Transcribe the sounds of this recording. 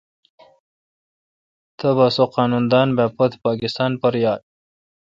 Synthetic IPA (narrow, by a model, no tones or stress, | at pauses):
t̪ʰɐbasoqɑːnund̪ɑːnbapɐt̪pɑːkɪst̪ɑːnpɐɾjɑːd̪̚